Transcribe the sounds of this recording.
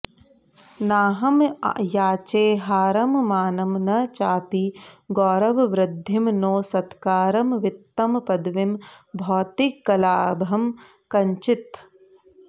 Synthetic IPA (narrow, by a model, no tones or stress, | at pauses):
naːɦɐm̰jaːt͡ʃeːɦaːɾɐmmaːnɐmnɐt͡ʃaːpiɡɔːɾɐʋʋɾɪd̪ʱːimnoːsɐt̪kaːɾɐmʋɪt̪ːɐmpɐd̪ʋimbʱɔːt̪ikːɐlaːbɐm | kɐɲt͡ʃit̪